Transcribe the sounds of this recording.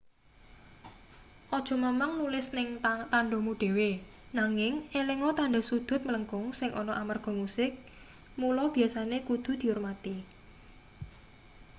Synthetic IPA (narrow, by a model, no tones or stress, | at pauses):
ʔɔd̥ʒ̥ɔ̤məmaŋnulɪsnɪŋt̪aɳɖɔmuɖ̥e̤we | naŋɪŋeleŋɔt̪aɳɖɔ̤sud̪̥ʊ̤t̪̚mələŋkʊŋsɪŋʔɔnɔʔamarɡ̥ɔ̤musɪk̚ | mulɔb̥i̤asanekud̪̥ṳd̪̥i̤urmat̪i